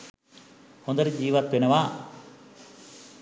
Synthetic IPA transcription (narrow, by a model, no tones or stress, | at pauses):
hond̪ɐɾid͡ʒiːʋat̪ʋenɐʋaː